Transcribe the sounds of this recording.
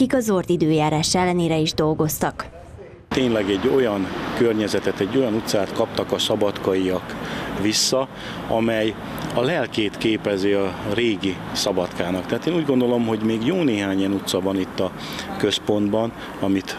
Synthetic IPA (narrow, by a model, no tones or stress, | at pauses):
ikɒzort̪id̪øːjaːɾaːʃɛlːɛneːɾɛiʒd̪o̞lɡo̞st̪ɒk | t̪eːɲlɛɡɛɟːo̞jɒnkørɲɛzɛt̪ɛt̪ɛɟːo̞jɒnut̪saːt̪kɒp̚t̪ɒkɒsɒbɒt̪kɒiɒkʋisːɒ | ɒmɛj | ɒlɛlkeːt̪keːpɛziɒreːɡisɒbɒt̪kaːnɒkt̪ɛɦat̪eːnuːɟɡo̞nd̪o̞lo̞mɦo̞ɟmeːɡjoːneːɦaːɲɛnut̪sɒvɒnit̪ːɒ | kø̞spo̞nd̪bɒn | ɒmit̪